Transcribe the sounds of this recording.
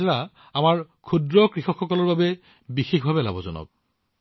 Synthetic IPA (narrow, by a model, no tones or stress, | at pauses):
ɛɹa | amaɹkʰudɹɔkɹixɔkxɔkɔlɔɹbabɛ | bixexbʱabɛla̰bɔzɔ̰nɔ̰k̚